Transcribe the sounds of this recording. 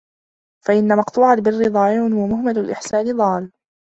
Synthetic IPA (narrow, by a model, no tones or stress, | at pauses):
faʔɪnːamɑqt̪ˤuːʕalbɪrːɪd̪ˤɑːʔɪnhwamʊhmalʊlʔɪ̰ħsaːnɪd̪ˤɑːl